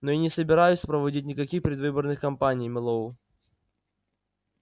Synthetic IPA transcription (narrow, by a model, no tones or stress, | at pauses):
noinʲɪsəbʲɪɾajʊsʲpɾəvɐdʲit̬̚ʲnʲɪkɐkʲixpɾʲɪd̪vɨbərnɨxkɐmpanʲijməlˠou